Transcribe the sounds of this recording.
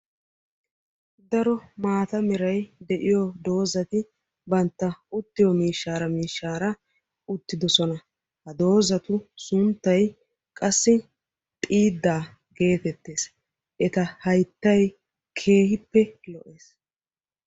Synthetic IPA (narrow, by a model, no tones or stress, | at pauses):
d̪ɐɾɔmaːt̪ɐmɪɾɐjd̪ɛʔɪjɔd̪o̞ːzɐt̪ɪ | bɐnt̪ːɐʊt̪ːɪjɔmiːʃːaːɾɐmiːʃːaːɾɐ | ʊt̪ːɪd̪ɔsɔnɐ | hɐd̪o̞ːzɐt̪ʊsʊnt̪ːɐj | kʼɐsːɪ | t̪ʼiːd̪ːaː | ɡe̞ːt̪ɛt̪ːe̞ːs | ʔɛt̪ɐhɐjt̪ːɐj | kʰe̞ːhɪpːɛlɔʔe̞ːs